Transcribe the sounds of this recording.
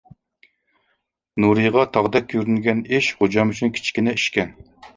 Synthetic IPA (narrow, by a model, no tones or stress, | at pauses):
nuɾɨjʁɑt̪ʰɑʁd̪ɛk̚ʲʰːjyɾynɡʲɛniʃχod͡ʒɑmyt͡ʃʰynkʲʰi̥t͡ʃkʲinɛiʃkʲɛn